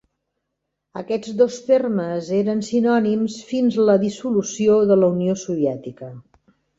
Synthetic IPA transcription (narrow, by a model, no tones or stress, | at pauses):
ə̰kɛd͡zd̪ost̪erməzeɾənsinɔnimsfinzləðisulusioðələuniosuβiɛt̪ikə